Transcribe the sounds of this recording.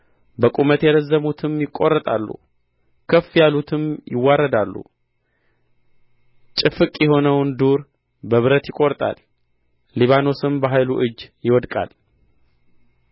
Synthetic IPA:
bəkʼumət̪jɛd̪əzːəmut̪ʰɨmjɪkʼːo̞rːət̪ʼa̰lːṵ | kʰəfːjalut̪ʰɨmjɪwːaɾːəd̪alːṵ | t͡ʃʼɪfɨkʼjɛho̞nəwnd̪uɾ | bəβɨɾət̪jɪkʼːoɾt̪ʼa̰lː | iβano̞sɨmbəɦajluʔɨd͡ʒːjɪwɔd̪kʼa̰l

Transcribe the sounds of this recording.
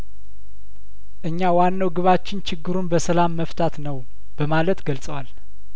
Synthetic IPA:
ʔɨɲːawanːəwɡɨβat͡ʃːɪnt͡ʃʰɪɡːɨɾunbəsəlamːəft̪ʰat̪nəw | b̥əmalət̪ɡəlsʼəwal

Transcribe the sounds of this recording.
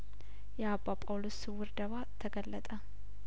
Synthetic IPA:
jɛabapʼawlosɨwɨɾd̪əβat̪ʰəɡəlːət̪ʼə

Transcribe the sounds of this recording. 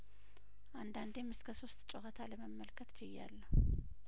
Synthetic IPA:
ʔand̪and̪emɨskʰəso̞st̪ʼt͡ʃʼohət̪ʰaləməmːəlkʰət̪d͡ʒɛjːa̰lːəhu

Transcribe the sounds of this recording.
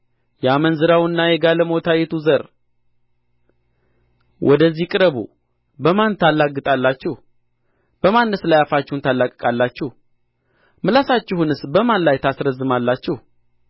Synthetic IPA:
jɛamənzɨɾawɨnːajɛɡaləmot̪ʰajɛt̪uzəɾ | wʔɔd̪əzːikʼɨɾəβṵ | bəmant̪ʰalːaɡɨt̪ʼalːat͡ʃːɛh | b̥əmanːəslajafat͡ʃːɪhunt̪ʰalːakʼɨkʼalːat͡ʃːɛh | mɨlasat͡ʃːɪhunɨsbəmanlajt̪ʰasɾəzːɨmalːat͡ʃːɪh

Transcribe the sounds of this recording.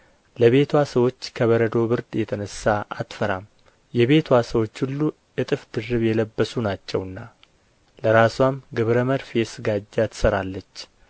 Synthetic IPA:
ləβe̞t̪ʰwasəwo̞t͡ʃːkʰəβəɾəd̪o̞bɨɾd̪jɛt̪ʰənəsːaʔa̰t̪fəɾam | jɛβe̞t̪ʰwasəwo̞t͡ʃːhulːu | ɨt̪ʼɨfd̪ɨrːɨβjɛləbːəsunat͡ʃːɛwɨnːa | ləɾaswamɡɨβɾəməɾfjɛsɨɡad͡ʒːat̪ʰɨ̥səɾalːət͡ʃː

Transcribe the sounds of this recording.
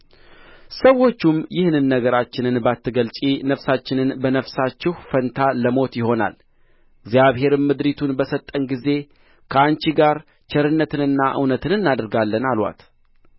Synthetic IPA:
səwo̞t͡ʃːumjɪhnɨnːəɡəɾat͡ʃːɪnɨnbat̪ːɨɡəlt͡ʃʼinəfsat͡ʃːɪnɨnbənəfsat͡ʃːɪhfənt̪ʰaləmo̞t̪jɪɦo̞na̰l | ɡzjaβɦe̞ɾɨmmɨd̪ɾit̪ʰunbəsət̪ʼːənɡize̞ | kʰəant͡ʃiɡaɾ | t͡ʃʰɛɾɨnːət̪ɨnɨnːaʔɨ̰wnət̪ʰɨnɨnːad̪ɨɾɡalːənalwa̰t̪

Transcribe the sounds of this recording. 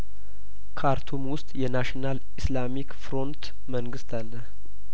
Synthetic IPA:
kʰaɾt̪ʰumwʊst̪ʼjɛnaʃinal | ɨslamikfɾo̞nt̪ | məŋɡɨst̪ʰalːəh

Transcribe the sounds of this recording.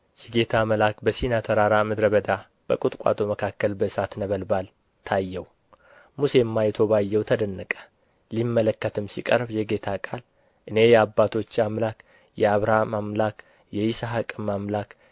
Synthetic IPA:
jɛɡe̞t̪ʰaməlakbəsinat̪ʰəɾaɾamɨd̪ɾəβəd̪a | b̥əkʼut̪ʼkʼa̰t̪ʰoməkʰakːəlbəsat̪nəβəlbal | t̪ʰajːɛw | muse̞mːajt̪ʰo̞βajːɛwt̪ʰəd̪ənːɨkʼə̥ | limːələkːət̪ʰɨmsḭkʼəɾbjɛɡe̞t̪ʰakʼal | ʔɨne̞jɛabːat̪ʰo̞t͡ʃːamlak | jɛaβɾamamlak | jɛjisaɦakʼɨmamlak

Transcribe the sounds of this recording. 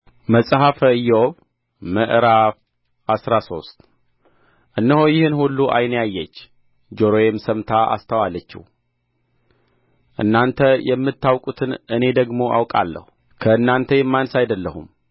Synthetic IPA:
məsʼɦafəɨjːoβ | məʔɾaf | ʔasɾaso̞st̪ʼ | ʔɨnːəhojɪhɨnhulːuʔa̰jnjajːɛt͡ʃː | d͡ʒoɾojemsəmt̪ʰaʔa̰st̪ʰəwalət͡ʃːḭh | ʔɨ̰nːant̪ʰəjɛmːɨt̪ʰːawkʼut̪ʰɨnɨne̞d̪əɡmo̞ʔa̰wkʼa̰lːə̰hu | kʰəɨnːant̪ʰəjɛmːansajd̪əlːəhṵm

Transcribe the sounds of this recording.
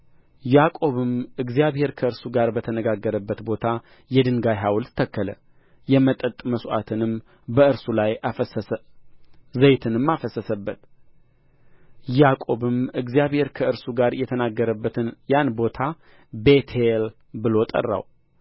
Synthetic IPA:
jakʼo̞βɨmɨɡzijaβhe̞ɾkʰəɨɾsuɡaɾbət̪ʰənəɡaɡːəɾəbːət̪bo̞t̪ʰa | jɛd̪ɨŋɡajɦawlt̪ːʰəkːələ̰ | jɛmət̪ʼət̪ʼməsʔa̰t̪ʰɨnɨm | bəɨɾsulaj | zəjt̪ʰɨnɨmːafəsəsəbːət̪ | jakʼo̞βɨmɨɡzijaβhe̞ɾkʰəɨɾsuɡaɾjɛt̪ʰənaɡːəɾəbːət̪ʰɨnjanbo̞t̪ʰa | bet̪ʰel | bɨlo̞t̪ʼə̰rːa̰w

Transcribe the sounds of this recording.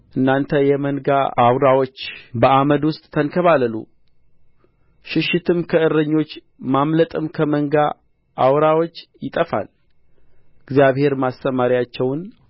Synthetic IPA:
ʔɨnːant̪ʰəjɛmənɡaawɾawo̞t͡ʃːbəʔaməd̪wʊst̪ʼt̪ʰːənkʰəβaləlṵ | ʃɪʃːɪt̪ʰɨmkʰəɨrːəɲːo̞t͡ʃː | mamlət̪ʼɨmkʰəməŋɡa | ʔawɾawo̞t͡ʃːjɪt̪ʼəfa̰l | ɨɡzijaβhe̞ɾmast̪əmaɾijat͡ʃːɛwn

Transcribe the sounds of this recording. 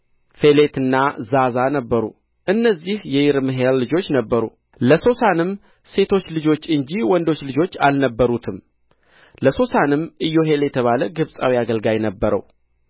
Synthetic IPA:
fe̞le̞t̪ʰɨnːazazanəbːəɾṵ | ʔɨnːəzːihjɛjɪɾmɨɦelːɨd͡ʒo̞t͡ʃːnəbːəɾu | ləso̞sanɨm | se̞t̪ʰo̞t͡ʃːlɨd͡ʒo̞t͡ʃːɨɲd͡ʒiwɔnd̪o̞t͡ʃːlɨd͡ʒo̞t͡ʃːalnəbːəɾut̪ʰɨm | ləso̞sanɨmʔɨjːo̞ɦe̞ljɛt̪ʰəβaləɡɨβsʼawiaɡəlɡajnəbːəɾə̰w

